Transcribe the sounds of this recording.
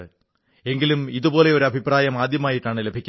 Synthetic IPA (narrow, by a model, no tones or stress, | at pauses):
ɨ | e̞ŋɡilumiðubo̞ːleo̞ɾuɐbʱipraːjɐmaːd̪ʱjɐmaːjiʈːaːɳɨlebʱikʲːu